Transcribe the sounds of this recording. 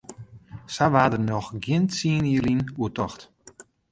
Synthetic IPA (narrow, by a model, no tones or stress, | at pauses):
saʋaːdərnɔxɡjɪntsiəniəlinuətɔxt